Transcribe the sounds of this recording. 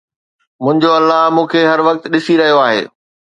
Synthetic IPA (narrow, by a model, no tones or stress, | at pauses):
mʊ̃ɦɪ̃ɲd͡ʑoɐlːaɦmũːkʰeɦɐɾʋɐk̚t̪ɗɪsiɾɐɦijoaːɦḛː